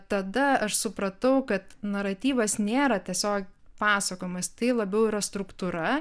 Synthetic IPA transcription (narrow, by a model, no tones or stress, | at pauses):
t̪ɐd̪ɐɐʃsʊpɾɐt̪ɐʊkɐt̪nɐɾɐt̪ʲiːʋɐsnʲeːɾɐt̪ʲiɛsʲoːkʲpɑːsɐkoːjɪmɐst̪ɐɪlˠɐbʲɛʊiːɾɐst̪ɾʊkt̪uːɾɐ